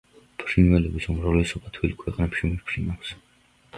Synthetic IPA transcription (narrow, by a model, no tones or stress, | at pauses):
pʰɾinvɛlɛbisumɾavlɛsɔbat̪ʰwilkʰwɛqʼnɛpʃimiɾpʰɾinakʰs